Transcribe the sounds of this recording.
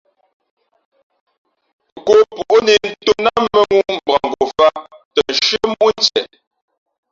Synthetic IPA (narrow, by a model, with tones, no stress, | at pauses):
ko˨pu˨ʔni˨n̩˦to˦na˦mə˨ŋu˦m̩˨bʁa˨ŋɡo˨fa˦tə˨n̩˨ʃɰə˦mu˦n˦t͡sɛ̰˨